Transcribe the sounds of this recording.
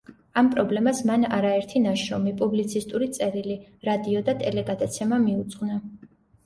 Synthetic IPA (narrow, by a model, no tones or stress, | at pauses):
ampʼɾɔblɛmasmanaɾaɛɾt̪ʰinaʃɔmipʼublit̪sʰist̪ʼuɾit̪sʼɛɾiliɾad̪iɔd̪at̪ʼɛlɛɡad̪at̪sʰɛmamiut̪sʼqʼna